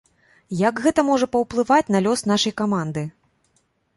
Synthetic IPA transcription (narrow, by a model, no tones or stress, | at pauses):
jɐkɣɛt̪ɐmɔʐɐpɐwplˠɨvat͡sʲnɐlʲɔsnaʂɐjkamand̪ɨ